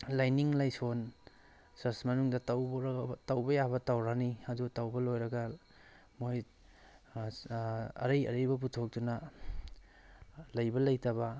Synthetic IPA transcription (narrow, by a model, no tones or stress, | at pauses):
lajniŋlajson | sɐsmɐnuŋdɐtawtawbɐjabɐtawɾaniɐdutawbɐlojɾɐɡɐ | moj | ɐ̰ɾɐjɐ̰ɾɐjbɐp̬utʰok̚dunɐ | lɐjbɐlɐjtɐbɐ